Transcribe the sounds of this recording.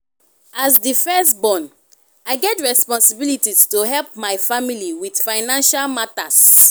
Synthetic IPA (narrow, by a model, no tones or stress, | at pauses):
asdifɛstbɔ̃n | aɪɡɛtɹɛspɔ̃nsibilitistoɦɛlpmaɪfamiliwid̥faɪnãnʃalmatas